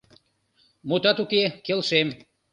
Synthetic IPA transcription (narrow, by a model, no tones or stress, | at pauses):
mut̪ɑt̪ukekelʃem